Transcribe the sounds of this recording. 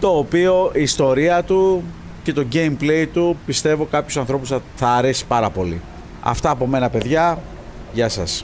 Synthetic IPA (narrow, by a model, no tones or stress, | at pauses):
t̪o̞ːpio̞iːst̪o̞ɾiɐt̪u | ce̞t̪o̞ɟe̞imple̞jt̪upist̪e̞vo̞kɐpçosɐnθɾo̞pusθɐːɾe̞si̥pɐɾɐpo̞lḭ | ɐ̰ft̪ɐːpo̞me̞nɐpe̞ðʝɐ | ʝɐsɐ̰s